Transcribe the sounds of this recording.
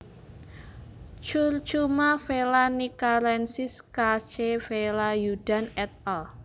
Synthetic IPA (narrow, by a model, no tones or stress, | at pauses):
t͡ʃurt͡ʃumafelanikalɛnsɪskat͡ʃefelajud̥anɛt̪̚ɛl